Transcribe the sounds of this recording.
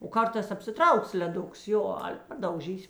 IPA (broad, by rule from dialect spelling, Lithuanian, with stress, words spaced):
oː ˈkɐrtɑːs ɐpʲsʲɪˈtrɐʊks lʲɛˈdʊks ˈjoː ˈɑːlʲɛ pɐdɐʊˈʒʲiːsʲ